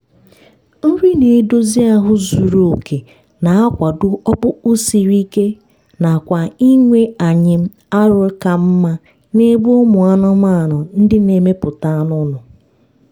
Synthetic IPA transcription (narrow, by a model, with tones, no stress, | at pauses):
n̩˦ɾi˦ne˨˦do˦zi˦a˦ɦʊ˦zu˨ɾo˨o˨ke˨ | na˨a˦kʷa˨dʊ˦ɔ˦k͡pʊ˦ʊ˦si˨ɾi˦ke˦ | na˨kʷa˨i˦ŋʷe˦a˨ɲɪ˦m̩˦ | a˦ɾʊ˨˦ka˨m̩˦ma˦ | ne˦bu˦o˦mʊ˨a˦nʊ˦ma˦˨nʊ˨n̩˦dɪ˦ne˨me˦pʊ˨ta˦a˦nʊ˦nʊ˨